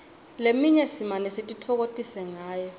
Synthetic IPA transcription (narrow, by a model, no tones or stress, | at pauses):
lemiŋesimanɛsetʼitʰɔk̬otʼisɛŋaːjɔ